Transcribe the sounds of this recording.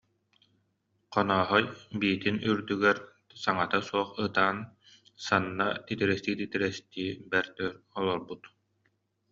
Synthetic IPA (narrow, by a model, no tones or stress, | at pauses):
qɔnɔːɦɔjbiːt̪inyɾd̪yɡɛɾ | saŋat̪asuɔχɯt̪aːn | sanːa̰t̪it̪iɾɛst̪iːt̪it̪iɾɛst̪iːbɛɾt̪œːɾɔlˠɔɾbut̪